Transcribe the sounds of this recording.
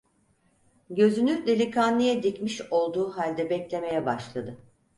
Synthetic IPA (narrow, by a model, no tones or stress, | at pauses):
ɟø̞zynʲyɾlʲɛlʲikʰanlːʲˠijɛd̪icmiʃo̞lˠd̪uːɦalʲd̪ɛbɛclʲe̞me̞jɛbaʃlˠad̪ɯ